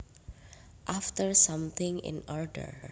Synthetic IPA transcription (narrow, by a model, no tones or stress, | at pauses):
ʔaftəɹsʌ̃mt̪ɪ̃ŋɪ̰̃nɔɹɖə̰ɹ